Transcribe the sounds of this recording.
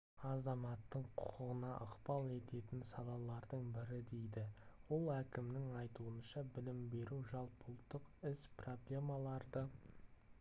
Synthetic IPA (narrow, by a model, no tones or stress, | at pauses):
ɑzɑmɑt̪ːəɴqʰʊqəʁənɑʔəqpɑlˠe̞t̪e̞t̪ɪnsɑlˠɑlˠɑɾd̪əɴbɪɾɪd̪e̞jd̪ɪwo̞lˠækʲɪmnɪŋɑjt̪uənʃɑbɪlɪmbe̞ɾuwʒɑlˠpəlˠt̪ːəqɪspro̞blʲe̞mɑlˠɑɾd̪ə